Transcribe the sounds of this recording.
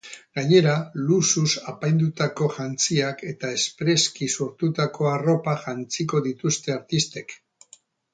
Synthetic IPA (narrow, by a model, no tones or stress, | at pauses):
ɡaɲe̞ɾalususapajnd̪ut̪ako̞ʝant͡siake̞t̪ae̞spɾe̞skiso̞ɾt̪ut̪ako̞aro̞paʝant͡siko̞ðit̪ust̪e̞aɾt̪ist̪e̞k